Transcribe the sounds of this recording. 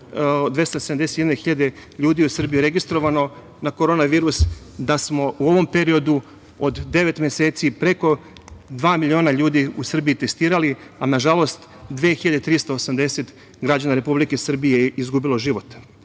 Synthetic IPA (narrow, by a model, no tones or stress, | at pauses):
d̪ʋe̞st̪osed̪amd̪eset̪jenexiʎad̪eʎuːd̪ijeusr̩bijuɾe̞ɡist̪ɾo̞ʋano̞ | nako̞ɾo̞ːnaʋiːɾusd̪asmo̞uo̞ʋo̞mpe̞ɾio̞d̪u | od̪ːe̞ʋe̞t̪mʲeseːt̪sipɾe̞ko̞ | d̪ʋaːmilʲio̞ːnaʎuːd̪iusr̩biit̪e̞st̪iːɾalianaʒalˠo̞st̪ | d̪ʋeːxiʎad̪et̪ɾist̪oosamd̪e̞set̪ | ɡɾad͡ʑanaɾe̞publikesr̩bijeizɡubilo̞ʒiʋo̞t̪